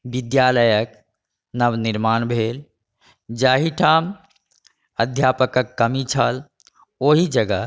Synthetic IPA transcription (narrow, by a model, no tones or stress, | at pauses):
bid̪jaːləjək | nəbniɾmaːnbʱeːl | d͡ʒaːɦiʈʰaːm | əd̪ʱjaːpəkəkːəmit͡ʃʰəl | oːɦid͡ʒəɡə